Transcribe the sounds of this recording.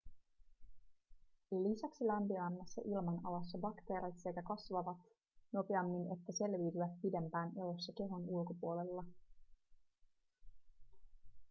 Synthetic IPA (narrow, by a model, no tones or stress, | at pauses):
lisæksilæmpiæmːæsːæʔilmɑnɑ̰lɑsːɑbɑkt̪e̞ːɾet̪se̞kækɑsʋɑʋɑt̪ | no̞peɑmːine̞t̪ːæse̞lʋiːt̪yʋæt̪̚pide̞mpæːnʔelosːɑke̞ɦonulko̞puole̞lːɑ